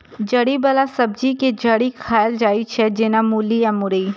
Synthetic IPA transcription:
d͡ʒɐɽibɐlasɐbd͡ʒiked͡ʒɐɽikʰaːjəld͡ʒaːit͡ʃʰɛd͡ʒɪnamuːlijamʊɾəi

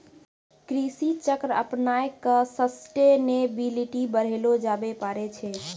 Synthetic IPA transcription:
kɾisit͡ʃəkɾə̰pnaekəsəsʈenebiliʈibəɾ̤elod͡ʒabepaɾet͡ʃʰɛ

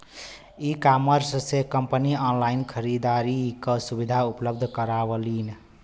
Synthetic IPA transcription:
ikaməɾssekəmpəniɔnlainkʰəɾid̪aɾikəsubid̪ʱaupləbd̪ʱkəɾabəlin

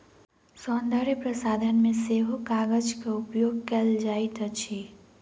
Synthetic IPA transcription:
sɔːnd̪aɾipɾəsaːd̪ʱənmẽseːɦokaːɡəd͡ʒkaʊpjoːɡkɛld͡ʒaːit̪ɐt͡ʃʰi

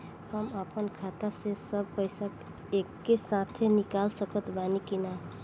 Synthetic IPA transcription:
həmapənkʰat̪asesʌb̚pəjsak | ekːesãt̪ʰenikalsʌkət̪banikina

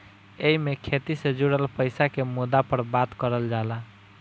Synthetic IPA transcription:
eimekʰet̪ised͡ʒuɽəlpəjsakemud̪apəɾbat̪kəɾəld͡ʒala

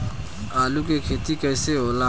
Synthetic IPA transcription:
aːlukekʰeːt̪ikɛːseɦoːla

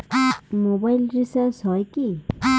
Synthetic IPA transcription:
amobajlɾisəɾsɦɔjkia

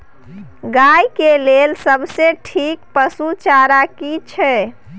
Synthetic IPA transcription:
ɡajkelelsəbseʈʰik̚pəsut͡ʃaɾakit͡ʃʰɛ

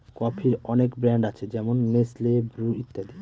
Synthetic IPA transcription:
kɔpʰiɾɔnekbɾɛɳɖat͡ɕʰed͡ʑɛmonːeslebɾuit̪ːad̪i

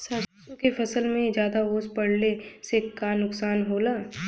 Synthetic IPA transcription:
saːt͡ʃː | ũkefʰɐsəlmẽd͡ʒaːd̪aoːspɐɽnesekanʊksaːnɦoːlaː

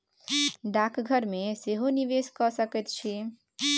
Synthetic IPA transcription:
ɖakʰɡʱəɾmeseɦoniʋeskɔsəkɛt̪̚t͡ʃʰi

